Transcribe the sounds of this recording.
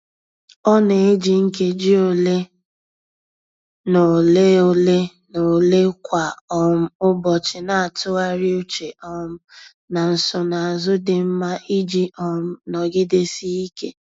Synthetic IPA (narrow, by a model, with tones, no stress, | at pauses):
ɔ˦ne˨e˦d͡ʒi˨ŋ̩˦ke˦d͡ʒi˦o˨le˦ | no˨le˦o˦le˦ | no˨le˦kʷa˨ɔ˨m̩˦ʊ˦bɔ˨t͡ʃɪ˨na˨a˨tʊ˦a˦ɾi˦u˦t͡ʃe˨ʔɔ˨m̩˦ | na˨n̩˨sʊ˨na˨a˨zʊ˦dɪ˨m̩˦ma˦ʔi˦d͡ʒi˦ʔɔ˨m̩˦nɔ˨ɡɪ˦de˦si˦i˦ke˦